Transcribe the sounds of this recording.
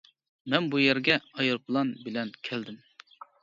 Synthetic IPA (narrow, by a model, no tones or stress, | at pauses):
mɛnbujæɾɡʲɛɑjɨɾpʰlˠɑnbɪlɛnkʲʰæld̪ɪm